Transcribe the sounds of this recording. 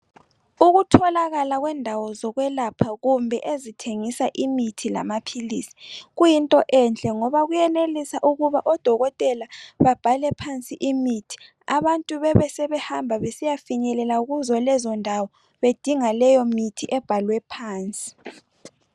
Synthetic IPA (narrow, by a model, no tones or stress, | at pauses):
uɣutʰɔlaɣalaɣwɛndʱawɔzɔɣwɛlapʰaɣumbʱɛʔezitʰeŋisaʔimitʰila̰mapʰiliːsi̥ɣujintʼɔʔɛnt͡ɬʼɛŋɔβaɣujɛnelisaʔuɣuβaʔɔd̥ʱɔɣɔtʼɛlaβab̥ʱalɛpʰant͡sʼiʔimitʰi̥ | aβantʼuβɛβɛsɛβɛhambʱaβesijafiɲɛlɛlauɣuzɔlɛzɔndʱawɔ | βed̥ʱiŋalɛjɔmitʰiʔɛb̥ʱalwɛpʰaːnt͡sʼi̥